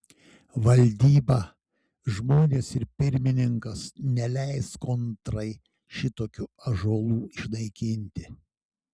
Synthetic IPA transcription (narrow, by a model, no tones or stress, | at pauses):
ʋɐlʲd̪ʲiːbɐ | ʒmoːnʲeːsɪɾpʲɪɾʲmʲɪnʲɪŋkɐsnʲɛlʲæɪskɔnt̪ɾɐɪ | ʃʲɪt̪oːkʲʊɐʒuɔlˠuːɪʃnɐɪkʲɪnʲt̪ʲɪ